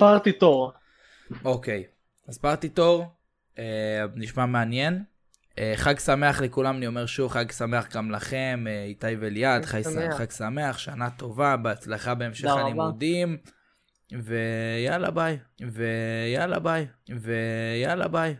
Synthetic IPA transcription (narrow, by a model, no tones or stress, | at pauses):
paʁt̪it̪oʁ | o̞ke̞j | aspaʁt̪it̪o̞ʁ | eniʃmameanje̞n | eχaɡsame̞aχlekulamanio̞meʁʃuvχaɡsame̞aχɡamlaχemeit̪ajveljad̪χajχaɡsame̞aχʃanat̪o̞vabeat͡slaχabe̞ːmʃeχanimdim | ve̞jala̰bajvejala̰bajvejala̰baj